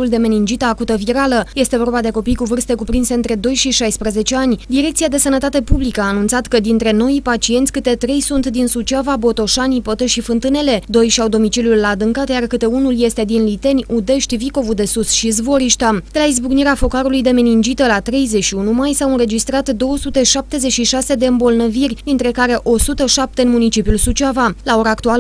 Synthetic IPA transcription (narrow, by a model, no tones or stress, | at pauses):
uld̪e̞me̞nind͡ʒit̪əːkut̪əviɾaləje̞st̪e̞vo̞rbad̪e̞ko̞pijkuvɨrst̪e̞kupɾinse̞ɨnt̪ɾe̞d̪o̞jʃiʃajspɾeze̞t͡ʃe̞anʲd̪iɾe̞k̚tsiad̪e̞sənət̪at̪e̞publikəaːnunt̪sat̪kəd̪int̪ɾe̞no̞jpat͡ʃie̞nt̪sʲkɨt̪e̞t̪ɾe̞jsunt̪d̪insut͡ʃiavabo̞t̪o̞ʃanipot̪əʃifɨnt̪ɨne̞le̞d̪o̞jʃiawd̪o̞mit͡ʃiljulːaːd̪ɨŋkat̪jarkɨt̪e̞unulje̞st̪e̞d̪inlit̪e̞nʲud̪e̞ʃt̪ʲviko̞vud̪e̞susʃizvo̞ɾiʃt̪ad̪̥e̞laizbuɡniɾeafo̞kaɾulujd̪e̞menind͡ʒit̪əlat̪ɾe̞jze̞t͡ʃʃiunumajsawɨnɾe̞d͡ʒist̪ɾat̪d̪o̞wəsut̪e̞ʃap̚t̪e̞ze̞t͡ʃʃiʃase̞d̪e̞ɨmbo̞lnəvirʲd̪int̪ɾe̞kaɾe̞ʔo̞sut̪əʃap̚t̪e̞ɨnmunit͡ʃipjulsut͡ʃiavalao̞ɾaːkt̪ual